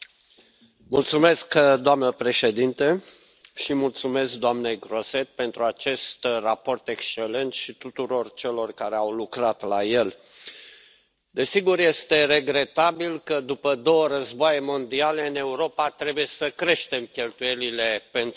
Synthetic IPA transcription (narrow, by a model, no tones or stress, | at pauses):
mult̪sume̞skd̪oamnəpɾe̞ʃe̞d̪int̪e | ʃimult̪sume̞sk̚d̪oamne̞jɡɾo̞se̞t̪̚pe̞nt̪ɾuat͡ʃe̞st̪rapo̞rt̪e̞kst͡ʃe̞le̞nt̪ʃit̪ut̪uɾo̞rt͡ʃe̞lo̞rkaɾeawlukɾat̪laje̞l | d̪e̞siɡurje̞st̪e̞re̞ɡɾe̞t̪abilkəd̪upəd̪o̞wəɾəzboajemo̞nd̪ialeɨne̞uɾo̞pat̪ɾe̞buje̞səkɾe̞ʃt̪e̞mkʲe̞lt̪uje̞lile̞pen